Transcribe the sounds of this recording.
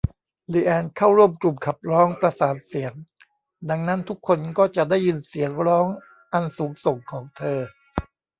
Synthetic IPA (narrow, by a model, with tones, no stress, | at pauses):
liː˧˩ʔɛː˧nkʰaː˥˩wɾu˥˩əmklu˨˩mkʰa˨˩p̚ɾɔː˦˥ŋpɾa˧saː˨˩˦t̪̚si˩˦əŋ | da˧ŋna˦˥nt̪ʰu˦˥kʰːo˧nkɔː˥˩t͡ɕa˨˩daː˥˩jːɯ˧nsi˩˦əŋɾɔː˦˥ŋ | ʔa˧nsuː˩˦ŋso˨˩ŋkʰɔː˩˦ŋt̪ʰɤː˧